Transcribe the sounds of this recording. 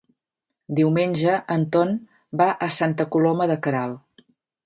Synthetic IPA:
d̪iwmenʲʒəənt̪ɔn | baʔəsant̪əkulɔməðəkəɾalˠ

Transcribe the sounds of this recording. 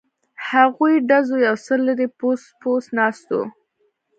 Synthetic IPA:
haɣujɖazojawsəlːəɾeposposnɑst̪o̰

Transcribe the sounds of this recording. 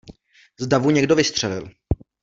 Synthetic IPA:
zdavuɲɛɡdovɪst̪r̝̥ɛlɪ̰l

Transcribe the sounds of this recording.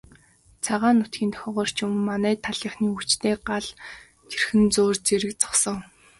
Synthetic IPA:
t͡sʰaʁaːnːʊt̪ɡʲiːnt̪ʰœ̥xʲɔːʁɔːr̥t͡ɕʊm̆ːanæːt̪ʰaɮĭːχniːut͡ɕt̪eːɢaɮ | t̪ʰerxɘ̆nt͡soːrt͡seɾɘ̆k̚t͡sɔ̥χsɞ̆ŋ

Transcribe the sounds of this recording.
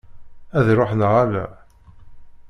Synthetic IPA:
æðɾˤoħnəʁælæ̰

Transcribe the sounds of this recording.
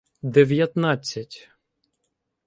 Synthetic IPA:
d̪eʋʲjɐt̪nat͡sʲːɐtʲ

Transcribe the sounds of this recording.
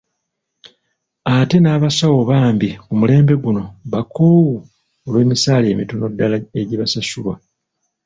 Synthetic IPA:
ate̞naːβasawo̞βaːmbikumule̞ːmbe̞ɡuno̞βakoːwu | olwe̞ːmisaːle̞ːmitono̞dːalae̞ɟiβasasulwa

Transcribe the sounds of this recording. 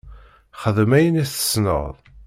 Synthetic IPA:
χəðəmæjənæθə̥snə̰ðˤ

